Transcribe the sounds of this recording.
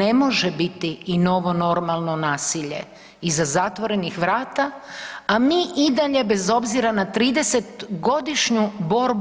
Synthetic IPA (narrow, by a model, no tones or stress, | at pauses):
emo̞ʒebit̪iino̞ʋo̞no̞ɾmalˠno̞naːsiʎe̞̰ | izazat̪ʋo̞ɾe̞nixʋɾaːt̪aamiːʔid̪aʎe̞be̞zo̞bziɾanat̪ɾiːd̪ese̞t̪ɡo̞d̪iʃɲubo̞ɾb